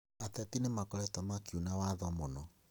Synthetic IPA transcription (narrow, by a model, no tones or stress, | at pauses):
atɛtinemakɔɾɛtɔmakjunawaðɔmɔnɔ